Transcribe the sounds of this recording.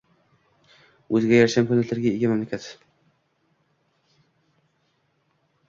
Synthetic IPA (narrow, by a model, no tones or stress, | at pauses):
ɵzɪɡʲajaɾʃamkʰɵnd̪alaɾɡʲaeɡʲɪmamlakʲʰat̪